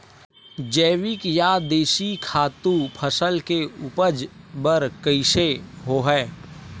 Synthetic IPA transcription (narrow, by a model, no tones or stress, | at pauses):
d͡ʒɛːʋɪkjad̪eːʃikʰaːt̪ũpʰəsəlkeuːpəd͡ʒbəɾkəɪʃeɦoɦɛː